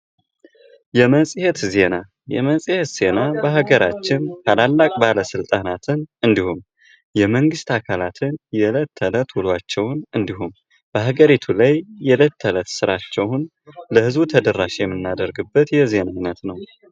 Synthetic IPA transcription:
jɛməsʼihet̪ze̞na | jɛ̰məsʼihet̪z̥e̞nabəɦaɡəɾat͡ʃːɪnt̪ʰalalːakʼbaləsɨlt̪ʼanat̪ʰɨnɨnd̪ihum | jɛməŋɡɨst̪ʰakʰalat̪ʰɨnjɛlət̪ʰːələt̪wulwat͡ʃːɛwnɨnd̪ihum | b̥əɦaɡəɾit̪ʰulajːɛlət̪ʰːələt̪sɨɾat͡ʃːɛwn | ləhɨzbut̪ʰəd̪ərːaʃjɛmːɨnːad̪əɾɡɨbːət̪jɛze̞najnət̪nəw

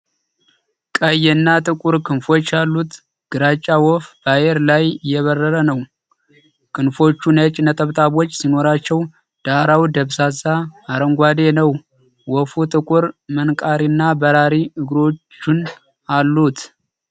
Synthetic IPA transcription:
kʼəjɛɨnːat̪ʼɨkʼuɾkʰɨnfo̞t͡ʃːalːut̪ | ɡ̥ɨɾat͡ʃʼːawɔfbajeɾlajjɛβərːəɾənəw | kʰʼɨnfo̞t͡ʃːunət͡ʃʼnət̪ʼəβt̪ʼaβo̞t͡ʃːsino̞ɾat͡ʃːɛw | d̪̥aɾawd̪əβsasaːɾəŋɡʷad̪e̞nəw | wɔfut̪ʼɨkʷʼuɾmənkʼaɾinːabəɾaɾiɨɡɾo̞t͡ʃːun | alːut̪ʰ

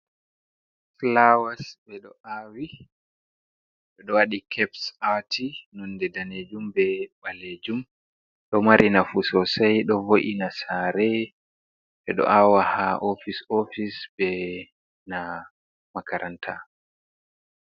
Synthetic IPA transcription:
flawasbɛɗɔʔawi | ɗɛɗɔwaɗikʰɛpsatinɔndɛdaned͡ʒumbɛɓaled͡ʒum | ɗɔmaɾʔinafusɔsajɗɔvoʔinasaɾɛ | ɓɛɗɔ̰ʔawahaʔofisofisbɛ | na | makaɾʔantʰa

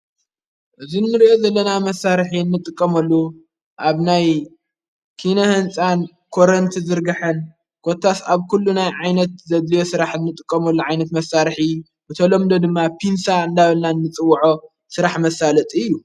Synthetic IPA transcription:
ʔɨzinːɨɾiʔo̞zɐlːɐnamɐsːaɾħinːɨt̪ʼːɨkʼːɐmɐlːu | ʔaβnaj | kʰinohɨnt͡sʼan | kʰoɾɐnt̪ʰzɨɾɡɐħɐn | kʰot̪ʰːasaβkulːunajʕajnɐt̪zɐd̪lijo̞sɨɾaħɨnːɨt̪ʼɨkʼːɐmɐlːuʕajnɐt̪mɐsːaɾħi | bɨt̪ʰɐlomd̪od̪ɨmːapʰinsaɨnd̪aβɐlnanːɨt͡sʼɨwːʕo | sɨɾaħmɐsalɐt̪ʼiɨjːu

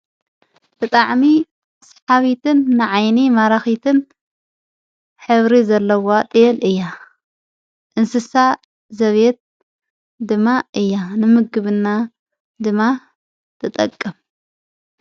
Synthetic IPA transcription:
b̥ɨt̪ʼaʕmi | sħaβit̪ʰɨnːɨʕajnimaɾaxit̪ʰɨn | ħɨβɾizɐlːɐwot̪ʼɛlʔɨjːa | ʔɨnsɨsa | zɐβet̪̚ | d̪ɨmːaʔɨjːanɨmɨɡɨβɨnːa | d̪ɨmːa | t̪ʰɨt̪ʼɐ̰kʼːɨm

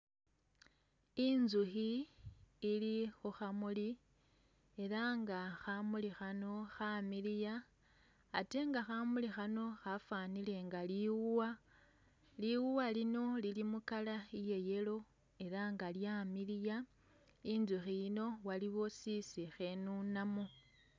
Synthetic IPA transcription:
inzuxiː | lixuxamuli | e̞ɾaŋɡaxamulixano̞xamilijaː | te̞ŋɡaxamulixano̞xafaːnile̞ŋɡaliwuwa | liwuwalino̞lilimukalaije̞je̞lo̞ | e̞ɾaŋɡaljamilija | inzuxiino̞waliβo̞sisixe̞nunamo

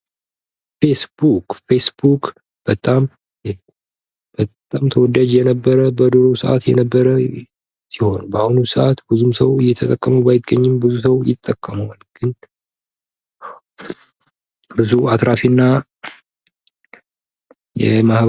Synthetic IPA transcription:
fesbukʼfesbuk | b̥ət̪ʼam | b̥ət̪ʼamt̪ʰəwɔd̪ad͡ʒjɛnəbːəɾəbəd̪ɨɾosəʔa̰t̪jɛ̰nəbːəɾə | siho̞̰nbəahunusɨʔat̪bɨzumsəwɨjɛt̪ʰət̪ʼəkʼːəmubajɪɡːəɲːɪmbɨzus̬əwjɪ̰t̪ʼːəkʼːəməwalɡ̥ɨn | bɨzuat̪ɾafinːa | jɛ̰mah

